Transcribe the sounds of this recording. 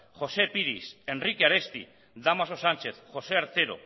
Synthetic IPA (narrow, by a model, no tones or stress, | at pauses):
xo̞se̞piɾise̞nrikeaɾest̪ḭ | d̪amasosant͡ʃe̞θxo̞seaɾt̪e̞ɾo̞̰